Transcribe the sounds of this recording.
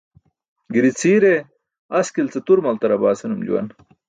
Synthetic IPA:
ɡiɾit͡sʰiːɾe | ɐskilt͡set̪uɾmɐlt̪ɐɾɐbaːsenumd͡ʑṵwɐ̰n

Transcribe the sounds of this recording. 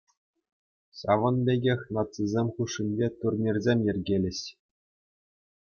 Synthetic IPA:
ɕɑ̰ʋɤ̆nbʲeɡʲexʲnɑt̪t͡sizʲemʲχuʂːinʲbʲet̪urnʲerʲzʲemʲjɘ̆rʲɡʲelʲɘ̆ɕ

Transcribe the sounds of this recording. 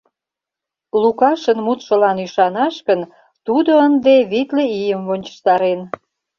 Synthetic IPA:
lukɑʃənmut̪ʃə̆lɑnyʃɑnɑʃkən | t̪ud̪oənd̪eβit̪leijəmvonʲt͡ɕə̥ʃt̪ɑɾen

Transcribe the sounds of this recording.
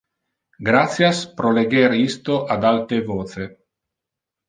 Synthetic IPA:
ɡɾat̪sjaspɾoleɡeɾist̪oʔad̪alt̪evoːt̪se

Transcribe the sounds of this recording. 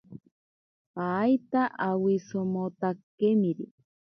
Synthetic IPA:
pajt̪aʔawisomot̪akemiɾi

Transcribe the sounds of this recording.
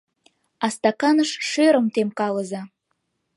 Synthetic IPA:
ɑst̪ɑkɑnəʃʃøɾə̆mt̪emkɑləzɑ

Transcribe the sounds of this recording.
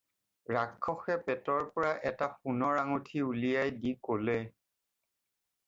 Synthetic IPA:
ɹakʰːɔxɛpɛtɔɹpɔɹaʔɛtapunɔɹaŋutʰiulijajdikolɛ

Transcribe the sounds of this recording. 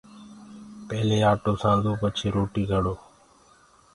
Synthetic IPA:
peːleːaːʈoːsãːnd̪ʱuːpət͡ʃʰeːɾoːʈiːɡʱəɽoː

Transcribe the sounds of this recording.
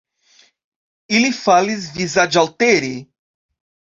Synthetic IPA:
ilifalizvizad͡ʒawt̪eɾi

